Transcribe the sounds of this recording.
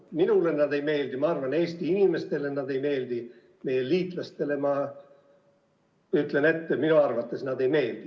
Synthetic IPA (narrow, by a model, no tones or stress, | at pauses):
minulenːɑd̪e̞jme̞ːld̪imɑɑrvɑne̞ːst̪iinʲime̞st̪e̞lenːɑd̪e̞jme̞ːld̪i | me̞jeliːt̪ˑlɑst̪e̞le̞mɑ | yt̪le̞ne̞t̪ːeminuɑrvɑt̪ːe̞snɑd̪e̞jme̞ːld̪̥i